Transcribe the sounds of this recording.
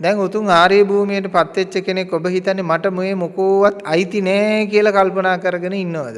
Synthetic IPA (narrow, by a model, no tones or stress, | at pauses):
d̪ɛŋot̪uŋaːɾejebʱuːmijeʈəpat̪ːʋet͡ʃːəkenekːobəɦit̪anːemaʈəmujemokoːʋat̪ɐjt̪inɛːkijəlɐkalpənaːkəɾəɡənəinːəʋad̪ə